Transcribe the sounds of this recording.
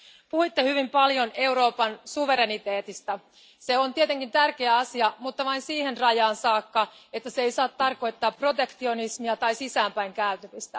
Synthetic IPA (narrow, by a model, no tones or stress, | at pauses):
puhuit̪ːehyʋimpɑljo̞ne̞wɾo̞ːpɑnsuʋe̞ɾenit̪e̞ːt̪ist̪æ | se̞ont̪iet̪eŋkint̪ærke̞æɑsiɑmut̪ːɑʋɑinsiːhe̞nrɑjɑːnsɑːkːɑe̞t̪ːæseejsɑːt̪tːɑrko̞jt̪ːɑːpro̞t̪e̞kt̪io̞nismiɑt̪ɑjsisæːmpæjŋkæyt̪øʋist̪æ